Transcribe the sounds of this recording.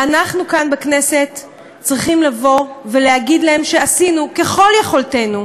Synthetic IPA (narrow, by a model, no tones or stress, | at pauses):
ʔanaχnukanbekne̞se̞tː | t͡sʁiχimlavo̞ve̞leaɡid̪lae̞mʃe̞asinuke̞χo̞ljeχo̞lte̞nu